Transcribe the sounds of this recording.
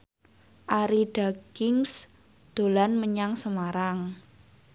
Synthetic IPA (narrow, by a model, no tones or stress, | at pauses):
ʔaɾiɖ̥a̤kɪŋs | d̪̥o̤lanməɲaŋsəmaɾaŋ